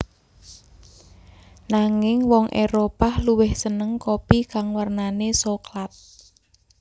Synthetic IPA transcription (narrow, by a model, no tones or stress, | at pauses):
naŋɪŋwɔŋʔeɾopahluwɪhsənəŋkopikaŋwarnanesoklat̪̚